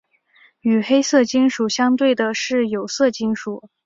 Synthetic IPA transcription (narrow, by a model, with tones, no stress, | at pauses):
y˨˩xe˥ɪsɤ˥˩t͡ɕi˥nʂu˨˩ɕjɑ˥ŋt̪we˥˩ɪd̪ə˩ʂɻ̩˥˩jo˨˩ʊsɤ˥˩t͡ɕi˥ŋʂu˨˩˦